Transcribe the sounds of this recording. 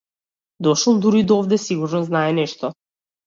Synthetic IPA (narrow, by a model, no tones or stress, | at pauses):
d̪ɔʃɔlˠd̪uɾid̪ɔɔvd̪ɛsiɡuɾnɔznaɛnɛʃt̪ɔ